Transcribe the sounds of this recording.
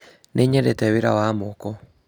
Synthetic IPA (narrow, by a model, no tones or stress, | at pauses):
nʔeɲɛɾetɛweɾa̰wamokɔ